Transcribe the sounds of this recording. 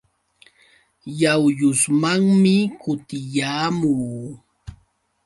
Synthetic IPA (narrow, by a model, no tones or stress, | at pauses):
jawʎʊsmaŋmɪkʊt̪ɪjaːmuː